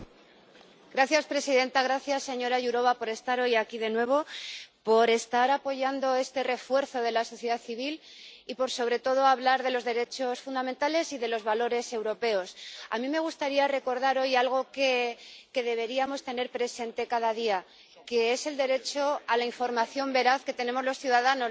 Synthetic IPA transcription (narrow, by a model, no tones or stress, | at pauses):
ɡɾaθjaspɾe̞siðe̞nt̪aɣɾaθjasːe̞ɲo̞ɾaʝuɾo̞βapo̞ɾe̞st̪aɾo̞jakiðe̞nwe̞β̞o̞po̞ɾe̞st̪aɾapo̞ʝand̪o̞e̞st̪e̞re̞fwe̞ɾθo̞ðe̞laso̞θjeðaθiβ̞ilipo̞ɾso̞βɾe̞t̪o̞ð̞o̞aβlaɾðe̞lo̞zðe̞ɾe̞t͡ʃo̞sfund̪amẽnt̪ale̞siðe̞lo̞zβalo̞ɾe̞se̞wɾo̞pe̞o̞samĩme̞ɣ̞ust̪aɾiare̞ko̞ɾðaɾo̞jalɣ̞o̞ke̞ke̞ðe̞β̞e̞ɾiamo̞st̪e̞ne̞ɾpɾe̞se̞nt̪e̞kað̞aðia | ke̞ese̞ld̪e̞ɾe̞t͡ʃo̞alaiɱfo̞ɾmaθjo̞mbe̞ɾaθke̞t̪e̞ne̞mo̞zlo̞sθjuðaðano